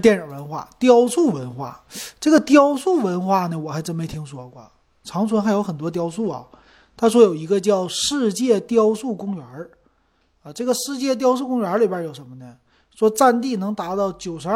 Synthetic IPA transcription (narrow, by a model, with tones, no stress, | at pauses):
t̪jɛ˥˩nɻwə˧˥nxwa̰˥˩t̪jɑ˥ʊsu˥˩wə˧˥nxwa̰˥˩ʈ͡ʂɤ˥˩ɡə˩t̪jɑ˥ʊsu˥˩wə˧˥nxwa˥˩nə˩wɔ˨˩xa˧˥ɪʈ͡ʂme˧˥ɪt̪ʰi˥ŋʂwɔ˥kwɔ̰˥˩ | ʈ͡ʂʰɑ˧˥ŋt͡sʰwə˥nxa˧˥ɪjo˧˥ʊxə˨˩nt̪wɔ˥t̪jɑ˥ʊsu˥˩ɐ̰˩ | t̪ʰa˥ʂ̬wɔ˥jo˨˩ʊi˧˥ɡə˧t͡ɕjɑ˥˧ʊʂɻ̩˥˧t͡ɕjɛ˥˩t̪jɑ˥ʊsu˥˩kʊ˥ŋɥə˧˥ | ə˧ʈ͡ʂɤ˥˩ɡə˩ʂɻ̩˥˧t͡ɕjɛ˥˧t̪̬jɑ˥ʊsu˥˩kʊ˥ŋɥə˧˥li˨˩ba˥ɪjo˨˩ʊʂə˧˥nmə˧nə˧ | ʂwɔ˥t͡sa˥˧nt̪̬i˥˩nɤ˧˥ŋt̪a˧˥t̪ɑ˥˩ʊt͡ɕjo˨˩ʊʂɻ̩˧˥